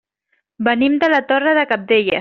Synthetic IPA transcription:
bənimd̪əlat̪orəðəkap̚d̪eʎə

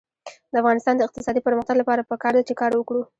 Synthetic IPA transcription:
d̪̥əafɣɑnɪst̪ɑnd̪əɪq̚t̪ɪsɑd̪ipəɾməxt̪aɡlapɑɾapəkɑɾd̪at͡ʃekɑɾwəkɽu

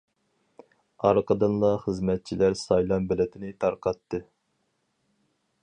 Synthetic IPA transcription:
ɑɾqəd̪ɨnlˠɑχəzmɛt̪̚t͡ʃʰilæɾsɑjlˠɑnbɛlɪt̪ʰɪnɪt̪ʰɑɾqʰɑt̪ːɨ

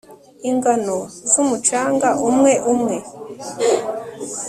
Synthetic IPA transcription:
iŋɡanozumut͡ʃaːŋɡaʔumŋe̞ʔumŋe̞

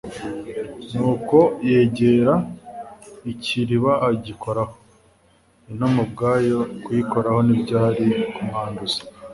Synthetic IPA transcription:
nuːko̞jeːɟeːɾa | iciɾiβaːɟikʰo̞ɾaho̥ | inomub̚ɡaːjokwiːko̞ɾaho̞nibɟaːɾikumaːnduze̥

